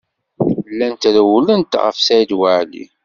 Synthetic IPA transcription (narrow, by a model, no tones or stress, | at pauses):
lːænt̪ɾəwlənt̪ʁə̰fsæjd̪wəʕlḭ